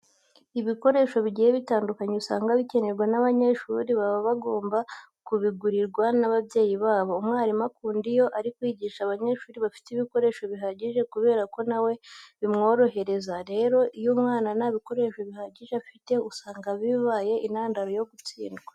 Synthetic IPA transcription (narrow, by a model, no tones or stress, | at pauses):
iβiko̞ɾe̞ːʃo̞βiɟijeβitaːndukaɲeusaːŋɡaβice̞ne̞ɾɡwanaβaɲe̞ʃṵːɾiβaβoβaɡo̞ːmba | kuβiɡuɾiɾɡwanaβaβje̞ːjiβaːβo̞umŋaːɾimakuːndijo̞ʔaɾikwiːɟiːʃaβaɲe̞ʃuːɾiβafi̥tiβiko̞ɾe̞ːʃo̞βiɦaɟiʒe̞kuβe̞ːɾako̞nawe̞βimŋo̞ːɾo̞ɦe̞ɾe̞zaɾe̞ːɾo̞ʔijomŋaːnanaβiko̞ɾe̞ʃo̞βihaɟiʒefite̞usaːŋɡaβiβaje̞ʔinhaːndaɾojo̞ɡut͡sḭːndɡwa